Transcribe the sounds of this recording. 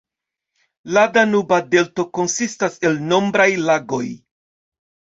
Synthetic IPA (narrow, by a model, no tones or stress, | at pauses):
ladanubade̞lto̞ko̞nsistase̞lno̞mbɾajlaɡo̞j